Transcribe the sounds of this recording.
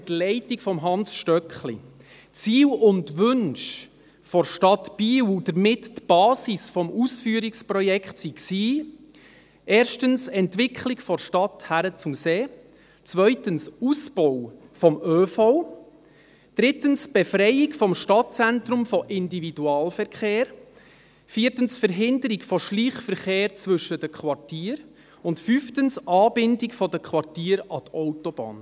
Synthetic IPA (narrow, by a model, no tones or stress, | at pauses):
tlɛɪtɪkfɔmɦɑnsʃtœkχli | t͡siːwʊntʋʏnʃ | fɔɾʃtɑt̪b̥iːwd̥əɾmɪttb̥ɑːsisfɔmʔusfyːɾiksprɔjɛkχtsiksiː | ʔeːɾʃtənsɛntʋɪkʰχlɪkfɔʃtɑt̪hæɾət͡sʊmseː | t͡sʋœʏtənsusb̥ɔwfɔmøːfɔw | d̥ɾɪtənsb̥efɾɛjɪkfɔmʃtɑt̚t͡sɛntɾʊmfɔʔɪndividuɑːlfɛɾkχeːɾ | fiːɾtənsfəɾɦɪndəɾikfɔʃliːχfəɾχeːɾt͡sʋɵʃədəkʰʋɑrtiːɾ | ʊntfyftənsʔɑːbɪndɪkfɔdəkʰʋɑɾtiːɾɑtɔwtɔb̥ɑ̰ːn